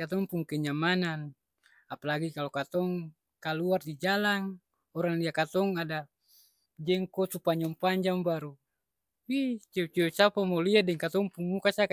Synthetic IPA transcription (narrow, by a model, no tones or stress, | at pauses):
at̪ɔŋpuŋkɛɲamanan | apalaɡikalokat̪ɔŋ | kaluardid͡ʒalaŋ | ɔɾaŋliakat̪ɔŋada | d͡ʒɛŋkɔsupaɲɔŋpaɲd͡ʒaŋbaɾu | wit͡ʃɛt͡ʃɛt͡ʃapamoliadɛŋkat̪ɔŋpuŋːukasak